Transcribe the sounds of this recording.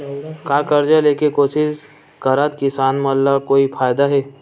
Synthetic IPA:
kaːkɐɾd͡ʒaleːkekoːsɪz | kɐɾaːt̪kɪsaːnmɐllːakoːifʰaːjd̪aɦɛː

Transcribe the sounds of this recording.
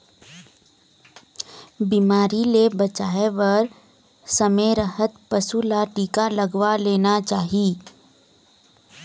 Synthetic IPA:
biːmaːɾilebɐt͡ʃaːeʋɐɾ | səmeɾəɦət̪pəsulaʈiːkaləɡwaleːnat͡ʃaːɦi

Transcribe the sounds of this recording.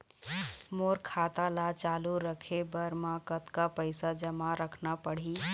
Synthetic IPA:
moɾkʰat̪alat͡ʃaluɾəkʰebəɾmãkət̪kapəɪsad͡ʒəmaɾəkʰnapəɽ̤ɦi

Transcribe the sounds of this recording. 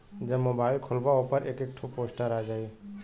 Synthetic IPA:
d͡ʒəmobaɪlkʰolbaopəɾʔekekʈʰuposʈəɾad͡ʒai

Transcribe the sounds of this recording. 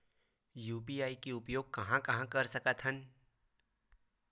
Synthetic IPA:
juːpiaːikiʊpjoːɡ̚kɐɦãkɐɦãkɐɾsɐkət̪ɦən

